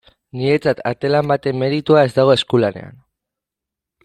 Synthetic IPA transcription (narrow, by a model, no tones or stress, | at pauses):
nie̞t͡sat̪at̪e̞lambat̪e̞mːe̞ɾit̪uae̞zd̪aɣ̞o̞e̞skulane̞̰a̰n